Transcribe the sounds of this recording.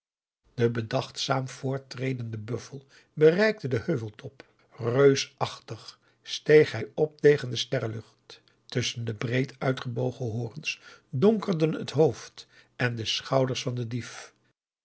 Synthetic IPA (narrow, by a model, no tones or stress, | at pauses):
d̥əbədɑχtsaːmv̥ʊːɹtrejdəndəbɵfəlˠ | bərɛjk̚tədəhøɥvəlˠtʰɔp | røɥsɑχtəχ | stejχɦɛjɔp̚tejχəndəstɛɹlɵχt | ʏsəndəbrejtœɥtχəbowχəɦʊːrənsdɔŋkərdənə̰tɦowft | ʔɛndəsχɑwdəɹsfɑndədif